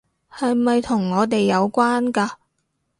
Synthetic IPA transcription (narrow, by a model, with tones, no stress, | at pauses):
hɐ˨jmɐ˨jt̪ʰʊ˨˩ŋːɔː˨˧t̪e˨jːɐ˨˧wkʷaː˥nkaː˧